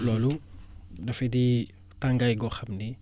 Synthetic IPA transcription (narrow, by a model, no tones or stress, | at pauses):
lɔːlu | dɐfɛdi | taŋɡajɡɔxɐmni